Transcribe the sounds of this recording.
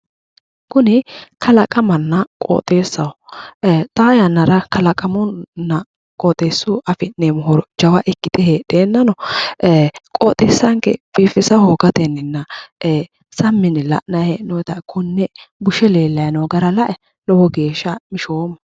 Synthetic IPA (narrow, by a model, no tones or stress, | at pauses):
kʊnɪkʰɐlɐkʼɐmɐnːɐkʼo̰ːt̪ʼe̞ːsːɐwɔ | t̪ʼaːjɐnːɐɾɐkɐlɐkʼɐmɔnːɐ | kʼot̪ʼeːsːʊʔɐfɪnemʊɦɔɾɔd͡ʒɐwɐʔɛkːɪt̪ɛheᶑeːnːɐnɔ | kʼo̰ːt̪ʼeːsːɐŋkɛ̰b̥iːfɪsɐhoːɡɐt̪ɛnːɪnːɐ | sɐmːɪnlɐ̰ʔnɐhenɔjt̪ɐkʰʊnːɛbʊʃɛle̞ːlːɐjnɔɡɐɾɐlɐʔɛ | lɔwɔɡe̞ːʃːɐmɪʃoːm